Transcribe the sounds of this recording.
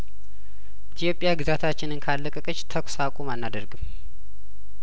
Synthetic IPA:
ʔʔit̪ʰijo̞pʼɪjaɡɨzat̪ʰat͡ʃːɪnɨnkʰalːəkʼəkʼət͡ʃːt̪ʰəkʷsakʼumanːad̪əɾɡɨm

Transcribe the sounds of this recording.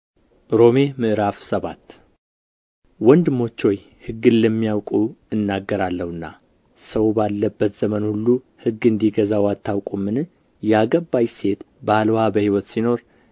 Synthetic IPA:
ɾo̞me̞mɨʔɨɾafsəβat̪ː | wɔnd̪ɨmo̞t͡ʃːo̞j | hɨɡːɨnləmːijawkʼuɨnːaɡːəɾalːəhɨnːa̰ | səwbalːəbːət̪z̥əmənhulːu | hɨɡːɨnd̪iɡəzawat̪ːawkʼumːɨn | jɛaɡəbːajse̞t̪ | balwabəhiwɔt̪sino̞ɾ

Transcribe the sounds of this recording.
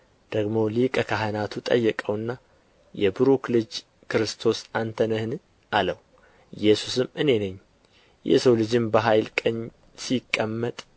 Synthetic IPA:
d̪̥əɡmo̞likʼəkʰaɦənat̪ʰut̪ʼə̰jːɛkʼəwɨnːa | jɛbɨɾuklɨd͡ʒ | kʰɨɾɨst̪ʰo̞sant̪ʰənəhn | ʔaləw | ɨjɛsusɨmɨne̞nəɲː | jɛ̰səwlɨd͡ʒɨmbəɦajlkʼəɲ | sikʼːəmːət̪ʼ

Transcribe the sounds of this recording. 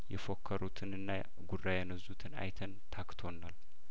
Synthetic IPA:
jɛfo̞kʰːəɾut̪ʰɨnɨnːa | ɡurajɛnəzːut̪ʰɨna̰jt̪ʰənt̪ʰakt̪ʰo̞nːal

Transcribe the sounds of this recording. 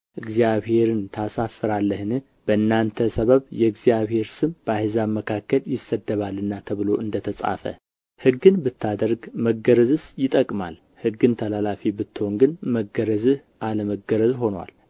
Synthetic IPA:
ʔɨɡzijaβhe̞ɾɨnt̪ʰasafːɨɾalːəhɨnɨ | b̥əɨnːant̪ʰəsəβəβjɛɡzijaβhe̞ɾsɨmb̥əahzaməkʰakːəljɪsːəd̪ːəβalːɨnːat̪ʰəβɨlo̞ʔɨnd̪ət̪ʰəsʼa̰fə̰ | hɨɡːɨnbɨt̪ːad̪əɾɡməɡəɾəzɨsjɪt̪ʼəkʼmal | hɨɡɨnt̪ʰəlalafibɨt̪ːɨho̞ŋɡɨnməɡəɾəzɨ | ʔaləməɡəɾəzɦo̞nwa̰l

